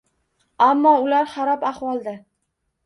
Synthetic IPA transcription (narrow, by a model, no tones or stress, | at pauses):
amːɒʊlaɾχaɾɒpaχwɒlˠd̪a